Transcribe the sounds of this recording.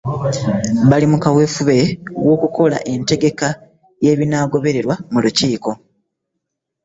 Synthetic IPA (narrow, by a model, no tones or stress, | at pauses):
βalimukawe̞fuβe̞wo̞ːkuko̞la̰ʔe̞nte̞ɡe̞ka | je̞ːβinaːɡo̞βe̞ɾe̞ɾwamuluciːko̞